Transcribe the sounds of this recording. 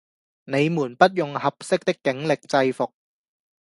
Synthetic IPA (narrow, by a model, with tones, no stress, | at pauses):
ne˨˧jmuː˨˩npɐ˥t̚jʊ˨ŋhɐ˨p̚sɪ˥k̚t̪ɪ˥kːɪ˨˥ŋlɪ˨k̚t͡sɐ˧jfʊ˨k̚